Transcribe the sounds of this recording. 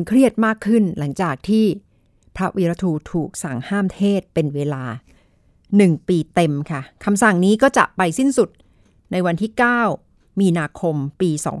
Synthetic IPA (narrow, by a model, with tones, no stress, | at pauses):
nkʰɾi˥˩ət̪̚maː˥˩kʰːɯ˥˩nla˩˦ŋt͡ɕaː˨˩k̚t̪ʰiː˥˩ | pʰɾa˦˥wi˦˧ɾa˧t̪ʰuː˧t̪ʰuː˨˩k̚sa˨˩ŋhaː˥˩mt̪ʰeː˥˩t̪̚pe˧nweː˧laː˧ | nɯ˨˩ŋpiː˧t̪e˧mkʰa˥˩kʰa˧msa˨˩ŋniː˦˥kɔː˥˩t͡ɕa̰˨˩ʔpa˧jsi˥˩nsu˨˩t̪̚ | na˧jwa˧nt̪ʰiː˥˩kaː˥˩w | miː˧naː˧kʰo˧mpiː˧sɔ̰ː˩˦ŋ